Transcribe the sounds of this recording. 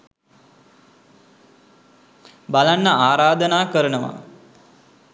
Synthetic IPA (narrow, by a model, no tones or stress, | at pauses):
balanːəaːɾaːd̪ənaːkəɾənəʋa̰